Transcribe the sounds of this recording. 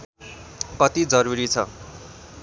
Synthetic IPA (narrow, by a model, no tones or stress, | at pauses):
kʌt̪id͡zʌɾuɾit͡sʰʌ̰